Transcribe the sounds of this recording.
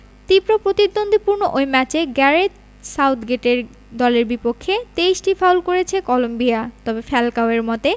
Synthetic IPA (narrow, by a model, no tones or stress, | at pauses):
t̪ipɾopɾot̪id̪ːond̪ʱipuɾnoʔojmɛt͡ɕeɡɛɾeʈ | sawt̪ʰɡeʈeɾ | d̪ɔleɾbipokʰːet̪eisʈifawlkoɾet͡ɕʰekɔlombijat̪ɔbefɛlkaoeɾmɔt̪e